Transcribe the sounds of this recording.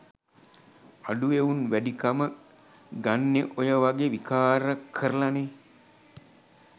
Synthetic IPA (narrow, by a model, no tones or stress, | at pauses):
aɖueunʋæɖikamə | ɡanːeʔojəʋaɡeʋikaːɾəkʰəɾəlane